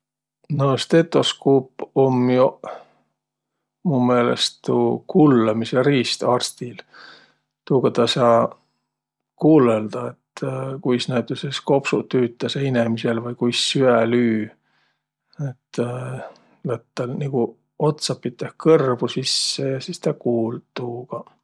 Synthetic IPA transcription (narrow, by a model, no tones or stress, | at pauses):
nost̪e̞t̪ːˑo̞skuːpomjo | mume̞ːlḛst̪ukulːɑmiseɾiːst̪ɑrst̪il | t̪uːkɑt̪ɑsɑː | kuːleld̪̥ɑe̞t̪ːkujsnæjt̪ːˑusesko̞psut̪yːt̪ːˑɑseinemise̞lvɤjkujsːyælyː | et̪ː | læt̪ːɑlniku | o̞t̪sɑpːit̪ːˑehkɤrbusisːejɑsist̪ɑkuːlt̪uːɡ̥ɑ